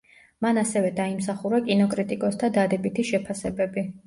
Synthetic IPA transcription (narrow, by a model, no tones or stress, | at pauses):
manasɛvɛd̪aimsaχuɾakʼinɔkʼɾit̪ʼikʼɔsd̪ʰad̪ad̪ɛbit̪ʰiʃɛpʰasɛbɛbi